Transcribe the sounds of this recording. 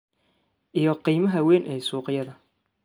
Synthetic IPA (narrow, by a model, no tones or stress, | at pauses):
ʔijɔqiːmɐɦɐwɛːnʔɛːsuːqɪjɐðɐ